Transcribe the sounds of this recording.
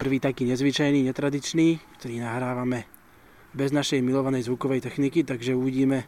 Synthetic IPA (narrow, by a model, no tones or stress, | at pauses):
pr̩ʋiːt̪akiːɲɛzʋit͡ʃajniːɲɛt̪ɾad̪it͡ʃniːkt̪ɔɾiːnaɦɾaːʋamɛ | bɛznaʃɛjmilɔʋanɛjzʋukɔʋɛjt̪ɛxnikit̪aɡʒɛuʋiɟiːmɛ